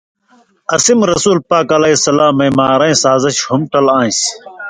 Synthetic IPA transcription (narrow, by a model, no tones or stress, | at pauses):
ɐsimɾɐsuːlpaːkɐlɐisɐlaːmẽːmaːɾɐ̃ĩːsaːzəɕhʊmʈɐlãːĩs